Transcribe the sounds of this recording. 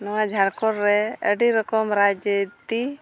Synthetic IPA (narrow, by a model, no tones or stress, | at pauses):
nɔwad͡ʒʱaɾkɔɾːɛə̰ɖiɾɔkɔmɾad͡ʒət̪i